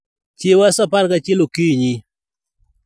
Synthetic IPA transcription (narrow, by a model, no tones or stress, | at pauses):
t͡ʃiwasapaɾkat͡ʃilukiɲi